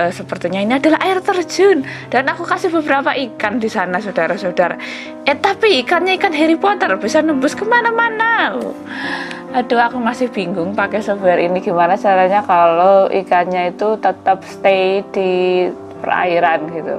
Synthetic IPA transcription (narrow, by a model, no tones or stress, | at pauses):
əsəpərt̪iɲainiadalaɦaɪrt̪ərd͡ʒʊnd̥anakukasɪhbəbəɾapaʔikandisanasodaɾasoodaɾa̰ | ʔɛt̪apiːkanɲaikanɦeɾipɔt̪ərbisanəmbʊskəmanamana | adoakumasɪhb̥iŋɡʊŋpakɛsəfaɾḭniɡimanat͡ʃaaɾaɲakaloʔḭkanɲait̪ut̪ət̪əp̚st̪edi | pə̰ra̰iɾanɡit̪ṵ